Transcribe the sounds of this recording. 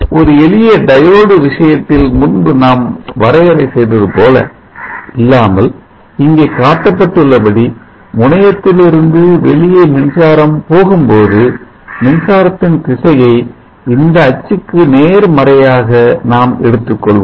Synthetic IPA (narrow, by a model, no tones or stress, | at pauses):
ɔɾɯɛɭɪjɐɖɐjoːɽɯʋɪʂɐjɐt̪ːɪlmʊnbɯnaːmʋɐɾɐjɐɾɐɪsɛjɾɐðɯpoːlɐ̰ | ɪlːaːmɐl | ɪŋɡeːkaːʈːɐpːɐʈːɯɭːɐpɐɽi | mʊɳɐjɐt̪ːɪlɪɾɯnd̪ɯʋɛɭɪjɐmɪnsaːɾɐmpoːɣɯmpoːðɯ | mɪnsaːɾɐt̪ːɪnt̪ɪsɐjɐɪ | ɪnd̪ɐːt͡ʃːɯkːɯneːɾmɐɾɐjaːɣɐnaːmɛɽɯt̪ːɯkːɔɭʋ